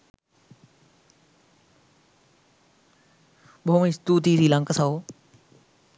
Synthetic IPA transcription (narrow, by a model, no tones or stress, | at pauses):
ɓomĩst̪uːt̪iːziːlə̃ŋkəsaɦoː